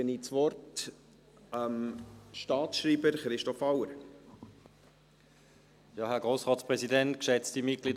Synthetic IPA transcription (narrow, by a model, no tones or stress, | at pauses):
ənit͡svɔɾt | əmʃtɑːtʃɾiːbəɾχɾɪʃtɔfawəɾ | jɑːhɛɐɡ̥ʁoːsʁɑːtspʁɛzidɛntkʃɛt͡stimɪtɡ̥liːd